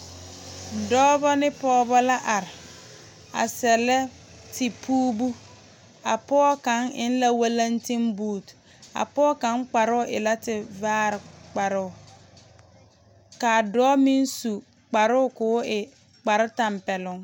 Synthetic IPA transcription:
dɔː˦bɔ˦nɪ˦pɔː˦bɔ˦la˦ʔa˨ɾɪ˨ | a̰˨sɛ˨lɛ˦ | tʰɪ˨pʰuː˦bu˦ | a˨pɔː˦kã˨˦ŋɪ̰˦n˦la˦wa˦lã˦n˦tĩ˦mbuː˦˨t | a̰˨pɔː˦kã˨˦ŋ˦k͡pa˨ɾʊ˦ʔɪ̰˨la˦tɪ˨vaː˦ɾɪ˨k͡pa˨ɾʊ˦˨ | ka˨dɔː˦mĩ˦n˦su˨ | k͡pa˨ɾʊ˦ʊ˦˨kʊː˨˦ɪ˨ | k͡pa˨ɾɪ˦tã˨mpɛ˨lʊ̃˦ŋ

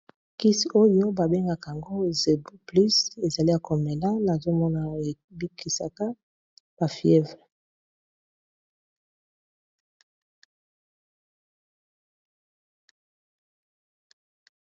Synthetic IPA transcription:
ki˦so˦jo˦ba˨be˦ŋɡa˨ka˨a˨ŋɡo˦ze˨bu˦pli˦se˨za˨li˦a˨ko˨me˨la˦na˨zo˦mɔ˦na˨e˨bi˦kʰi˨sa˨ka˦ | b̥a˨fjɛ˦vʁɛ˨

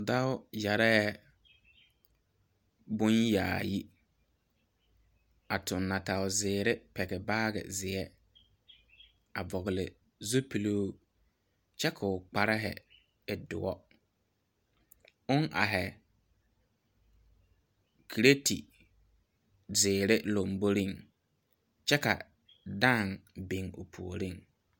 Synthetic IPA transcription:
da˦ʊ˦ja˨ɾɛ˦ | bʊ˦nja̰ː˨ji˦ | a˨tʰʊ˨nːa˨ta˨ʊ˨zɪː˨ɾɪ˦pɛ˨ɡɛ˨baː˦ɡɪ̰˨zɪ˨ɛ˦ | a˨bɔ˨ɣɪ˨lɪ˨ | zo˦pi˨lo˦ | t͡ʃɛ˦kʰʊ˨ʊ˨k͡pa˨ɾɪ˦ɦɛ̰˨ | ɪ˨dʊ̰˨ɔ˦ | ʊ˦ŋʔa̰˨ɦɛ˨ | kʰi˨ɾe˦tḭ˨ | zɪː˨ɾɪ˦lo˨mbo˦ɾi˦˨ŋ | t͡ʃɛ˦ka̰˨ | da˦˨ŋbi˨ŋʊ̰˨pʰu˨o˨ɾi˦˨ŋ

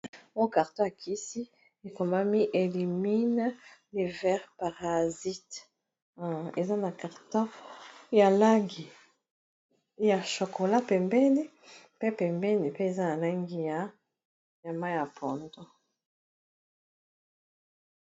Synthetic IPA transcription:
o˦ka˨ʁtɔ̃˦a˨kʰi˦si˦ | e˨ko˨ma˦mi˦ʔe˨li˨mi˦n˦le˨vɛ˦ʁpa˨ʁa˨zi˦t | e˨za˦na˨ka˨ʁtɔ̃˦ja˨la˦ŋɡi˨ | ja˨ʃo˨ko˨la˦pɛ˨mbɛ˦ni˦ | pe˦pɛ˨mbɛ˦ni˨pe˦e˨za˦na˨la˦ŋɡi˦ja˨˦ | ja˨ma˦ja˨pʰɔ˨ndɔ˦

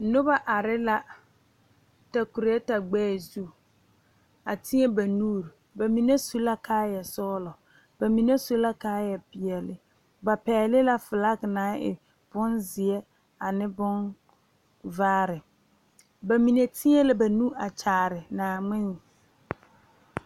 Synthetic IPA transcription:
nʊ˦ba˦ʔa˨ɾɪ˦la˦ | ta˨ku˨ɾe˨˦ɛ˦ta˨ɡ͡bɛː˦˨zu˦ | a˨tɪ˦ɲɛ˦ba˨nuː˦ɾ | ba˨mi˨ne˦su˦la˦kʰaː˦jɛ˨sɔː˦lɔ˨ | ba˨mi˨ne˦so˦la˦kaː˦jɛ˨pɪ˨ɛ˨lɪ˦ | ba˨pɛː˨˦lɪ˦la˦fɪ˨la˦knãː˦ɪ̰˨ | b̥ʊ˦nzɪ˨ɛ˦ | a˨nɪ˦bʊ˦n | vaː˦ɾɪ˨ | ba˨mi˨ne˨tʰɪ˦ɲɛ˦lɪ˦ba˨nũ˦a˨t͡ʃaː˨ɾɪ˨naː˨ŋ͡mɪ˦n˨

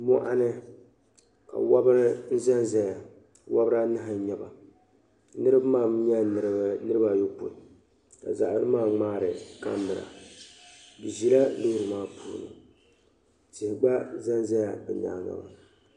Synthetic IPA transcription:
mɔ˦ʔa˦nɨ˦ | ka̰˨wa˦bɾn̩˦za˦nza˦ja˨ | wʔa˦bɾa˦nɨ˦ɦa˦ɲɛ˨ba˨ | nɨ˦ɾɨ˦bmaː˦˨m˦ɲɛ˦nɨ˨ɾɨ˦nɨ˦ɾɨ˦ba˨jo˦po̰˨ | ka̰˨za˨ʔa˨˦ɾɨ˦maː˦˨ŋ͡maː˦ɾɨ˨ka˦m˦bɨ˨ɾa̰˨ | dɨ˨ʒi˨la˦lo˦hɾɨ˨maː˦pʰṵː˨˦˨nɨ̰˨ | tɪ˨hɪ˨ɡ͡ba˦za˦nza˦ja˨bɨ˨na̰ː˨ŋa̰˨ba˨

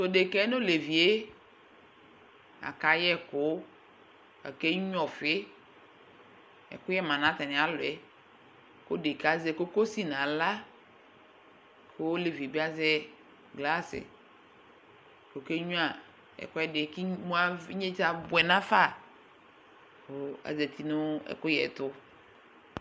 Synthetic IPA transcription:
so˨de˨kɛ˦no˦le˨vi˨e˦ | a̰˨ka˨jɛ˦kʊ˨˦ | a̰˨ke˦ɲ˦ɔ˨fɪ˦ | ɛ̰˨kʊ˦jɛ˦mã˨nã˨˦ta˨nɪ̃˨a˨lʊ˨ɛ˨˦ | ko̰˦de˨ka˨˦zɛ˦ko˦ko˦si˦nã˨la˦ | kʰo˦le˨vi˨bi˦a˦zɛ˦ | ɡla˦sɪ̰˨ | ko˨ke˦ɲũ˦a˨ | ɛ̰˨kʊ˦ɛ˦dɪ˨kɪ˦mũ˦a˦ɲe˦d͡ʒa˦bʊ˨ɛ˨nã˦fa˦˨ | o˨a̰˨zɛ˨t̪ʰi˨nʊ˦ɛ̰˨kʊ˦jɛ̰˨tʊ˦

